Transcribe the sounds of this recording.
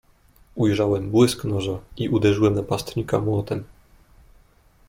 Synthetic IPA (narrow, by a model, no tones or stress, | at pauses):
ujʐawɛmbwɘsknɔʐaiʔud̪ɛʐɘwɛmnapast̪ɲika̰mwɔt̪ɛm